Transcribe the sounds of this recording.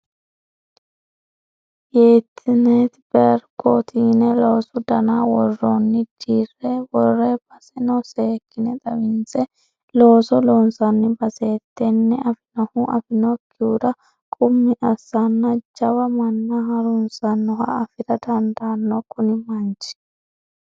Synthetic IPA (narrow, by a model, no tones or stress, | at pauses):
jeːt̪ʰːɪnɛt̪bɛɾkʰoːt̪ʰiːnɛloːsʊd̪ɐnawɔrːoːnːɪd͡ʒiːrːewɔrːeb̥ɐsɛnɔseːkːɪnɛt̪ʼɐwɪnt͡sɛ | lo̞ːsɔlo̞ːnsɐnːɪbɐseːt̪ːɛnːɛɐfɪnɔhuʔɐfɪnɔkʰːɪuːd̪ɐ | kʼʊmːɪʔɐsːɐnːɐd͡ʒɐbɐmɐnːɐɦɐɾʊnsɐnːɔhɐ̰ɐfɪɾɐd̪ɐnd̪aːnːɔkʊnɪmɐnt͡ʃɪ̥